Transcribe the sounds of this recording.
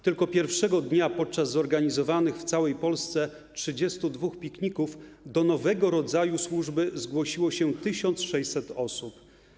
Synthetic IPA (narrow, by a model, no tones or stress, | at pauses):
t̪ɘlkɔpʲjɛɾfʂɛɡɔd̪ɲapɔt̪̚t͡ʂazːɔɾɡaɲizɔvanɘxft̪sawɛjpɔlst̪sɛ | tʂɘd͡ʑɛst̪ud̪vuxpʲikɲikufd̪ɔnɔvɛɡɔɾɔd̪zajuswuʐbɘzɡwɔɕiwɔɕɛt̪ɘɕɔnt̪sʂɛj̪sɛt̪ɔsup